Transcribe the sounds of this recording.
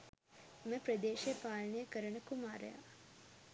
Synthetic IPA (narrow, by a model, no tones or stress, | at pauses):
meprɐd̪eːʃepaːlɐnejɐkɐɾɐɳɐkːumaːɾɐ̰ja̰